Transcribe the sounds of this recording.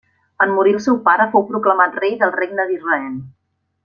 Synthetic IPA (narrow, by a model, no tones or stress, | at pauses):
ənmuɾilˠsɛwpaɾəfowpɾukləmat̪rejd̪əlˠreɡnəðirəɛlˠ